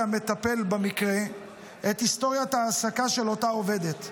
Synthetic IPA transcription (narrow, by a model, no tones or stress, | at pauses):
ame̞t̪ape̞lbemikʁe̞ | et̪isto̞ʁjat̪aːsakaʃe̞lo̞tao̞ve̞d̪e̞t̪